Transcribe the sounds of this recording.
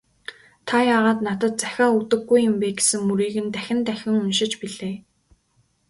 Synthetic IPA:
t̪ʰajaːʁaːt̪nat̪ə̆t̪̚t͡sæxʲaːut̪ɘ̆ɡːujːɘ̆mpeːɡe̥sɘ̆ŋmuɾiːɣɘ̆nt̪æxʲɪ̆nt̪æxʲɪ̆ŋɵnʃɪ̆t͡ɕpiɮeː

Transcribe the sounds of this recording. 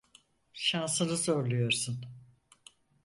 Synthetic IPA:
ʃansɯnɯzo̞ɾlˠujo̞ɾsun

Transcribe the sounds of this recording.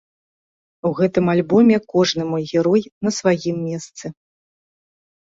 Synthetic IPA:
wɣɛt̪ɨmalʲbɔmʲɛkɔʐnɨmɔjɣʲɛɾɔjnɐsvajimːʲɛst̪sɨ

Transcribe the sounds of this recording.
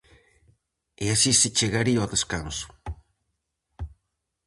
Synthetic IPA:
easisit͡ʃeɣaɾioðeskansu̥

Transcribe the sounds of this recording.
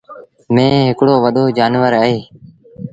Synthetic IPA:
mẽːɦɪkɽoːʋəɗ̪oːd͡ʒaːnʋəɾəɦeː

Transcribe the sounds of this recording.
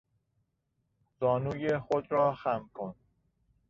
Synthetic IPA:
zɒːnuːjexod̪ɾɒːxæmkʰon

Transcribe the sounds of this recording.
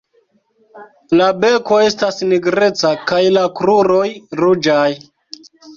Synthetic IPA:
labe̞ko̞e̞stasniɡɾe̞t͡sakajlakɾuɾo̞jɾud͡ʒaj

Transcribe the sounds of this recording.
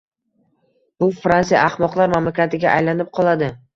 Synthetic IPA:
b̥ʊfɾansija̰ɑhmɒqlˠaɾmamlakʲat̪ɪɡʲaʔajlanɪp̚qʰɒlˠad̪ɪ

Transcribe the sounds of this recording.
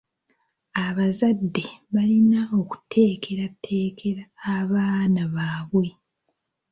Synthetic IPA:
aβazadːe̞βalinao̞ku̥tʰe̞ːkʰeɾatʰːe̞ːkʰe̞ɾaːβaːnaβaːβwe̞

